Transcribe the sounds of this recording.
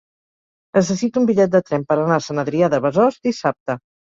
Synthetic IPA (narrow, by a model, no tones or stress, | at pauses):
nəs̬əsit̪umbiʎɛt̪̚d̪ət̪ɾɛmpəɾənasənəðɾiaðəβəzɔzd̪isap̚t̪ə